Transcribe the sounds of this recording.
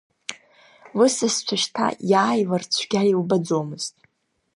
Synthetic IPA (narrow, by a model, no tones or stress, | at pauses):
lɨsɨst͡ɕʷʰaʃtʰa̰jaːjlart͡ɕʷʰɡʲailbad͡zomɨz̥tʼ